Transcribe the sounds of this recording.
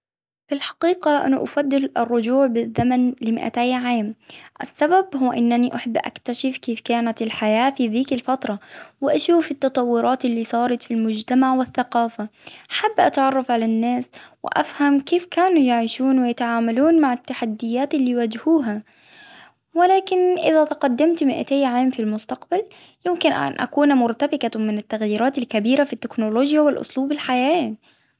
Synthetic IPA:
fɪlħɑ̥qiːqaʔa̰naʔafad̪ːɪlɪrˤːʊd͡ʒuːʕbɪðːamanlɪmɪ̰ʔa̰t̪aːjʕaːmʔɪ̰sːababɦʊːaʔɪnːaniʔaħabːʔa̰kt̪aʃɪfkeːfkaːnat̪ɪlħajaːfiːðiːkɪlfɑt̪ɾˤɑwɪʔaʃuːfɪt̪ːɑt̪ˤɑwːʊɾˤʔɑːt̪ɪlːiːsˤɑːɾˤɑt̪filmʊd͡ʒt̪amaʕwɪθːaqɑːfaħabːʔat̪ʕɑrˤːɑfʕalanːaːswɪ̰ʔa̰fhamkeːfkaːnujaʕiːʃuːnwɪjat̪aʕaːmaluːnmaʕɪt̪ːaħad̪ːɪjːaːt̪ɪlːiːwad͡ʒhuːɦa | wɪlaːkɪnʔɪðat̪qad̪ːamt̪mɪʔa̰t̪eːjʕaːmfilmʊst̪ɑqbal | jɪmkɪnʔa̰nʔa̰kuːnmʊɾt̪abɪqamɪnɪt̪ːaɣjiːɾɑːt̪alkabiːɾafit̪ːɪknoloːd͡ʒjawɪlʔʊ̰sˤluːbɪlħajaː

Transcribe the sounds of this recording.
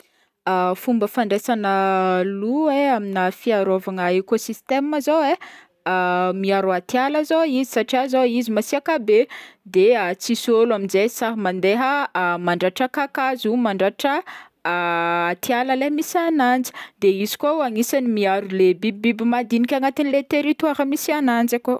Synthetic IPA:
fumbəfaɳɖ͡ʐesanəlueaminəfiaɾovaŋəekosist̪eməzowe | miaɾuat̪jaləzoizisaʈ͡ʂiazoizimasiakabed̪eat͡sisoluaminzesaɦmand̪eɦəmaɳɖ͡ʐaʈ͡ʂakakazumaɳɖ͡ʐaʈ͡ʂə | at̪ialəleɦmisanand͡zi̥d̪̥eizi̥kouaŋisanimiaɾulebibibimad̪inikʲaŋat̪inlet̪eɾit̪waɾəmisianand͡zako

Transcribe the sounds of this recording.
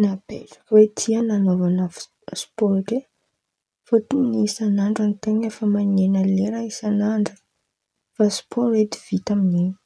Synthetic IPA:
nabḛlə̥wet̪ʰiananovana | spoɾake | fot̪inisanaɳɖ͡ʐanit̪eŋəfəmanenəleɾaisanaɳɖ͡ʐə̥ | fasi̥pʰoet̪i̥v̥it̪aminini̥

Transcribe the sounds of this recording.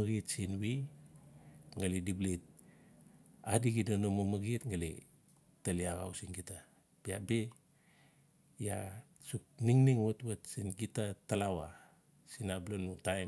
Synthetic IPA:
ɡitsinwi | ŋalidiblit̚ | adiɡidonomomaɡitŋalḭ | taliaɣa̰wsinɡita | bia̰be | ja̰ | suk̚niŋniŋwotwatsinɡitatalawa | sinablonutaj

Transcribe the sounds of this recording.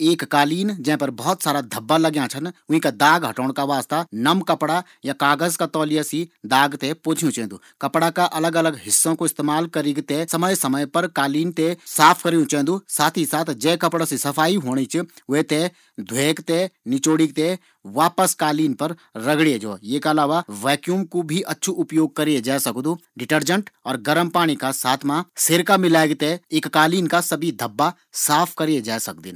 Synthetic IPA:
eːkːaːliːnd͡ʒɛ̃ːpɐɾbɔːɔt̪saːɾad̪ʱɐbːalɐɡjãt͡ʃʰənʊ̃ɦĩkad̪aːɡɦɐʈoːɽ̃kaʋaːst̪anɐmkɐpɽa | jakaːɡəzkat̪ɔːlijasid̪aːɡt̪epoːt͡ʃʰjũt͡ʃɛɦɛ̃nd̪ṵːkɐpɽakaʔɐləɡɐləɡɦɪsːõkoɪst̪eːmaːlkɐɾiɡt̪esɐməjsɐməjpɐɾkaːliːnt̪esaːpʰkɐɾijũt͡ʃɦɪ̃d̪usaːt̪ʰisaːt̪ʰd͡ʒɛ̃ːkɐpɽasisɐfʰaːiɦoːɽ̃it͡ʃʰʋet̪e | d̪ʱweːkt̪enɪt͡ʃoːɽik̚t̪e | ʋaːpəskaːliːnpɐɾɾɐɡɽied͡ʒoːjekɐlaːʋaʋɛːkjuːmkobʱiʔɐtːʃʰuʔʊpjoːɡ̚kɐɾied͡ʒaːsɐkd̪uɖɪʈəɾd͡ʒə̃ɳʈɔːɾɡɐɾəmpaːɽ̃ikasaːt̪ʰmãseɾkamɪlaːeɡt̪eeːkːaːliːnkasɐbʱid̪ʱɐbːa | saːpʰkɐɾied͡ʒaːsɐk̚d̪ḭːn

